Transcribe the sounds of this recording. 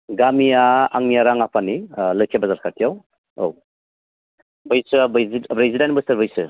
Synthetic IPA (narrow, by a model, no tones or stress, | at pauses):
ɡamijaa̰ŋnijaɾaŋapʰanilɯjkʰebɐzaɾkʰatʰijaw | ow | bɯjsɯbziɾezidanbɯsɐɾbɯjsɯ